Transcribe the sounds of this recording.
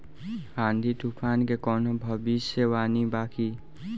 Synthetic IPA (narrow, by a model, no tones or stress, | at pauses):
and̪ʱit̪upʰaːnkekɔnobʱʌbisjəwaːnibaːki